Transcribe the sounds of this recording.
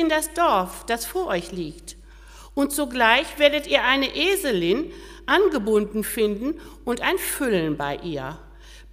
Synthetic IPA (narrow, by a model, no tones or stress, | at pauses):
ɪndasd̥ɔɐfd̥asfoːɐʔɔʏçliːkt | ʔʊntz̥oɡlaɪçv̥eːɐdətʔiːɐʔaɪnəʔeːzəlɪn | ʔanɡəbʊndn̩fɪndn̩ | ʔʊntaɪnfʏlənbaɪʔiːɐ